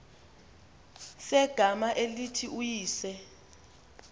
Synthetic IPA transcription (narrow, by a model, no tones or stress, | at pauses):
sɛɡ̥ʱamaʔelitʰiʔujiːsɛ